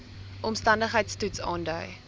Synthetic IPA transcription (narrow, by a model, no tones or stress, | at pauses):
ʔɔmstɐndəχɦəjtstutsɑ̰ːndœɥ